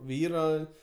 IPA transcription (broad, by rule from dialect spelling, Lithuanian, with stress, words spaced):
ˈʋʲiːroː